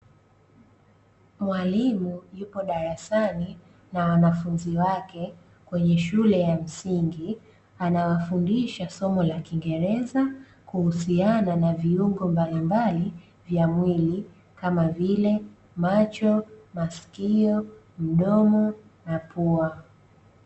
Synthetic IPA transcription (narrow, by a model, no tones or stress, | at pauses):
mwalimujupɔɗaɾasani | nawanafunziwakɛ | kwɛɲɛʃulɛjam̩siŋɡi | anawafundiʃasɔmɔlakiŋɡɛɾɛza | kuhusiananaviuŋɡɔmbalimbali | vjamwili | kamavilɛ | mat͡ʃɔmaskiɔ | m̩ɗɔmɔ | napʰua